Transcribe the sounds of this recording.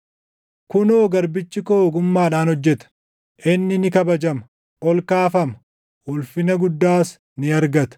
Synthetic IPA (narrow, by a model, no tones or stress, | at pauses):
kʊnoːɡɐɾbɪt͡ʃːɪkoːɡʊmːaːᶑaːnhɔd͡ʒːɛt̪ɐ̥ | ʔɪnːɪnɪkɐbɐd͡ʒɐmɐ | ʔɔlkaːfɐmɐ | ʔʊlfɪnɐɡʊd̪ːaːs | nɪɐɾɡɐt̪ɐ̥